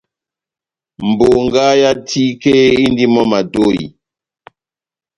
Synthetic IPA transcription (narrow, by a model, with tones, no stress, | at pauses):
m̩˨bo˨ŋɡa˦ja˦tʰi˦ke˦i˦n˦di˦mɔ˦ma˨do˦˨ḭ˨